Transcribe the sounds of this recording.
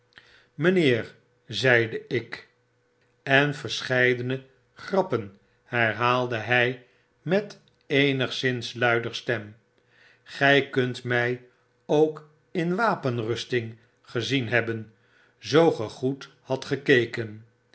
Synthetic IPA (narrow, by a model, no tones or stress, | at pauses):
məneːr | zɛjdəʔɪk | ɛnfəɹsχɛjdənə | χrɑpən | hɛɹɦaːlˠdəɦɛj | mɛt | ejnəχsɪnslœɥdəɹstɛm | χɛjkɵntmɛj | owk | ɪnʋaːpənrɵstɪŋ | χəzinɦɛbən | zowχəχut | hɑtχəkejkən